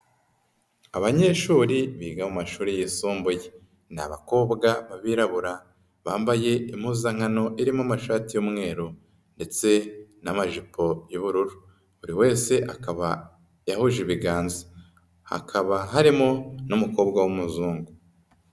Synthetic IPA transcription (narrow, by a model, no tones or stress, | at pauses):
aβaɲe̞ʃuːɾiβiːɡamumaʃuːɾijisuːmbuje | na̰βako̞ːbɡaβaβiɾaβuɾa | βaːmbaje̞im̥huːzaŋ̥hano̞ʔiɾimoamaʃaːtijomŋe̞ːɾo | nde̞t͡se̞namaʒipʰo̞jiβuɾuɾu | uɾiwe̞ːse̞ʔakaβa | jahuʒiβiɡaːnzḁ | ha̰kʰaβaɦaɾimonumuko̞ːbɡawumuzuːŋɡu